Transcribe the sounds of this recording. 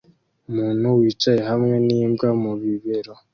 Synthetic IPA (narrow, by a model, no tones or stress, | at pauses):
umuːnuwiːt͡ʃajehamŋe̞niːmbɡamuβiβeɾo